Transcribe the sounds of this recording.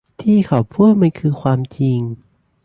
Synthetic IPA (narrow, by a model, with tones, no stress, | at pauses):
t̪ʰiː˥˩kʰa˨˩wpʰuː˥˩t̪̚ma˧nkʰɯː˧kʰwaː˧mt͡ɕi˧ŋ